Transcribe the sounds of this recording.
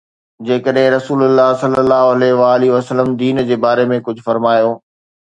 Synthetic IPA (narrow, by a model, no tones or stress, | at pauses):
d͡ʑeːkəɗɦɪ̃ɾɐsuːlʊlːaːɦsɐlːəlːaːɦoɐleɦʋaːliɦʋəsəlːəmd̪iːnd͡ʑeːbaːɾemẽkʊd͡ʑʱʊfɐɾmaːjoː